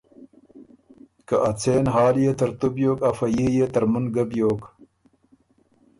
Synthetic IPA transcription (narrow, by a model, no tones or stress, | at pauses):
kaʔat͡seːnɦɑːljet̪ɐɾt̪ubjoːkɐfɐjijet̪ɐɾmunɡɐbjoːk